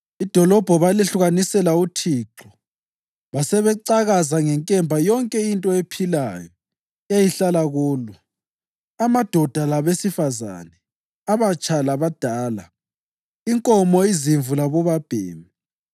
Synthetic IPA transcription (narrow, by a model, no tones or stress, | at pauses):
id̥ʱɔlɔb̥ʱɔβaliɬuɣanisɛlautʰiǁɔ | βasɛβɛǀaɣazaŋɛŋkʼɛmbʱajɔŋkʼɛintʼɔepʰilajɔ | ajiɬalaɣuːlu | amad̥ʱɔd̥ʱalaβesifaza̰nɛ | aβat͡ʃʼalaβad̥ʱaːla | iŋkʼɔmɔiziɱvulaβɔβab̥ʱḛːmi